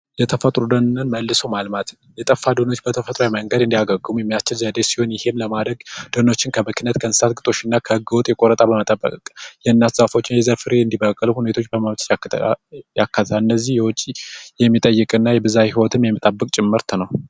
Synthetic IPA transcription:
jɛt̪ʰəfət̪ʼɾud̪ənnɨnməlːɨsowmalmat̪ʰ | jɛt̪ʼəfːad̪əno̞t͡ʃːbət̪ʰəfət̪ʼɾajaməŋɡəd̪ɨnd̪ijaɡəɡːɨmujɛmːijast͡ʃɪlzəd̪esi̥ho̞njɪhe̞mləmad̪ɾəɡd̪̥əno̞t͡ʃːɪnkʰəmɨkʰinət̪kʰənsɨ̥sat̪̚ɡɨt̪ʼo̞ʃɪnːakʰəhɨɡːɨwɔt̪ʼjɛkʼo̞ɾət̪ʼabəmət̪ʼəbːə̰kʼjɛnːat̪zafo̞t͡ʃːɪnjɛzəɾfɨɾeɨnd̪ibəkʼːəluhune̞t̪ʰo̞t͡ʃːbəməmt̪ʼj | jakʰːat̪ʰt̪ʰaɨnːəzːihjɛwɔt͡ʃʼijɛmːit̪ʼəjːɨkʼɨnːajɛbɨzahiwɔt̪ʰɨmjɛmːit̪ʼəbːɨkʼt͡ʃʼɪmːɨɾt̪ʰnəw

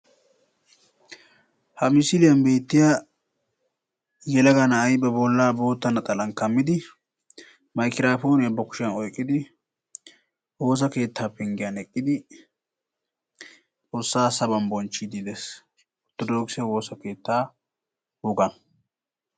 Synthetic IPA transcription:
hɐmɪsɪlɪjɐnbe̞ːt̪ːɪja | jɛlɐɡɐnɐːjbɛbɔlːaːbo̞ːt̪ːɐnɐt̪ʼɐlɐŋkɐmːɪd̪ɪ | mɐjkɪɾaːfo̞ːnɪɐbːɐkʊ̥ʃɪɐnɔjkʼːɪd̪ɪ | wo̞ːs̬ɐke̞ːt̪ːaːpːɛŋɡɪjɐnɛkʼːɪd̪ɪ | t͡sʼo̞ːsːaːsɐbɐnbɔnt͡ʃːid̪ɪd̪ɛs | ɔt̪ːɔd̪oːksɪjɐwo̞ːsɐke̞ːt̪ːaː | hɔɡɐn

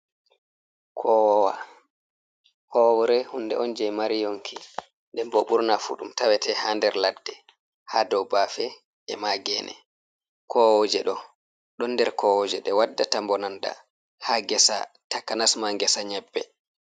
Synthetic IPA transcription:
kʰɔwɔwa | hɔwɔɾɛhundɛʔɔnd͡ʒɛjmaɾijoŋkʰi | ndɛmbɔɓuɾnafṵɗumtawɛtɛhaːndɛɾladːɛ | haːdɔwbaːfɛ | ɛmaɡɛːnʔɛ̰ | kʰɔwɔd͡ʒɛɗɔ | ɗɔnːdɛɾkʰɔwɔd͡ʒɛɗɛwadːatambɔnanda̰ | haɡɛsa̰takanasmaŋɡɛsaɲɛbːɛ

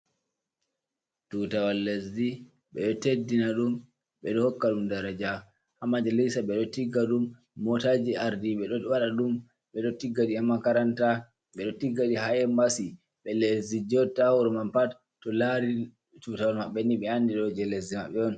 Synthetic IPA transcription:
tutawalːezi | ɓɛ̰ɗɔtedːinaɗum | ɓɛɗɔhɔkːaɗumdaɾad͡ʒa | hamad͡ʒalisaɓɛɗɔtiɡːaɗumː | ɔtad͡ʒiaɾdiɓɛɗɔwaɗaɗum | ɓɛɗɔtiɡːadihamakaɾanta | ɓɛɗɔtiɡːaɗihajɛmbasi | ɓɛlezid͡ʒɔtawɔɾmampat | tːɔlaɾi | tutawalmaɓːɛniɓɛandiɗɔd͡ʒɛlezimaɓɛɔn

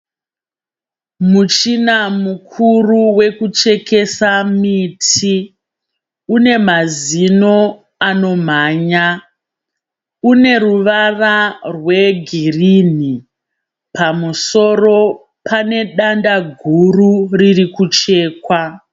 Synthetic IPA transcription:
mut͡ʃinamukʰuruwe̞kut͡ʃe̞ke̞samiːtʰi | une̞mazino̞ | ano̞m̤aːɲa | une̞ruʋararwe̞ɡʱirini | pamuso̞ro̞ | pʰane̞ɗandaɡʱururirikut͡ʃe̞ːkwa

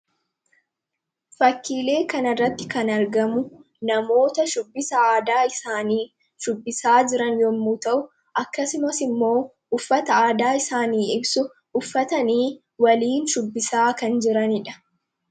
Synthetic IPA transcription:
fɐkːiːle̞ːkɐnɐrːɐt̪ːɪkɐnɐɾɡɐmʊ | nɐmo̞ːt̪ɐʃʊbːɪsɐaːd̪aːɪsaːniː | ʃʊbːɪsaːd͡ʒɪɾɐnjɔmːuːt̪ɐʔʊ | ʔɐkːɐsʊmɐsɪmːo̞ː | ʊfːɐt̪ɐaːd̪aːɪsaːniːɪbsʊ | ʊfːɐt̪ɐniː | wɐliːnʃʊbːɪsaːkɐnd͡ʒɪɾɐnɪᶑɐ̥

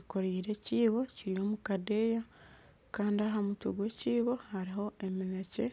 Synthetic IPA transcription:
iko̞ɾiːɾe̞ciːβo̞ciɾijo̞ːmukadeja | kaːndiaɦamutuɡwe̞ciːβo̞haɾiho̞e̞minece̞

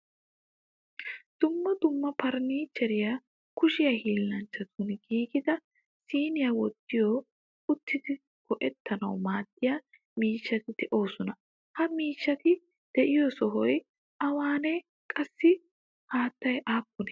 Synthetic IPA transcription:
d̪̥ʊmːɐd̪ʊmːɐpɐɾniːt͡ʃːɛɾɪja | kʊʃɪjɐhiːlːɐnt͡ʃːɐt̪ʰʊnɡiːɡɪd̪ɐ | siːnɪjawɔt̪ːɪjo | ʊt̪ːɪd̪ɪ | kɔʔɛt̪ʰːɐnɐwmaːd̪ːɪja | miːʃːɐt̪ɪd̪̥ɛʔo̞ːsɔnɐ | hɐmiːʃːɐt̪ɪ | d̪̥ɛʔɪjɔsɔɦɔj | ʔɐwaːnɛ | kʼɐsːɪ | haːt̪ːɐjʔaːpːɔnɛ

